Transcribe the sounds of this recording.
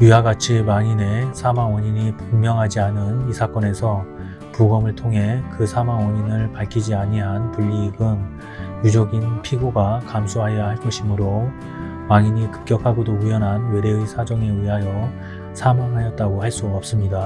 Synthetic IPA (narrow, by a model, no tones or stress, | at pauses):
ɥiɦaɡat͡ɕʰimaŋine̞sʰamaŋwʌɲiɲipoŋmjʌŋɦad͡ʑianɯnisʰak͈ʌne̞sʰʌ | puɡʌmɯɭtʰoŋɦe̞kɯsʰamaŋwʌɲinɯɭpaɭkʰid͡ʑiaɲiɦanpuʎːiɡɯn | jud͡ʑoɡinpʰiɡoɡakamsʰoɦajʌhaɭk͈ʌɕʰimɯɾo | maŋiɲikɯ̥p̚k͈jʌkʰaɡodoujʌnɦanwe̞ɾe̞ɯisʰad͡ʑʌŋe̞ɥiɦajʌ | sʰamaŋɦajʌt̚t͈aɡohaɭs͈uʌp̚s͈ɯmɲida